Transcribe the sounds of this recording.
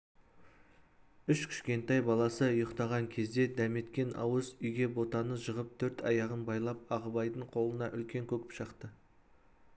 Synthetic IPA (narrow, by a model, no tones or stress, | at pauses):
ʏʃkʲʰʏ̥ʃkʲe̞nt̪ɑjbɑlˠɑsəjəqt̪ɑʁɑŋkʲʰe̞zd̪e̞d̪æme̞t̪kʲe̞nɑ̰wəzʏjɡʲe̞bo̞t̪ɑnəʒəʁəp̚t̪ʰɵɾt̪ʰɑjɑʁənbɑjlˠɑp̚ɑʁəbɑjd̪əɴqʰo̞lˠənɑʔʏlkʲe̞ŋkʲʰɵkʲɪ̥pʃəqt̪ə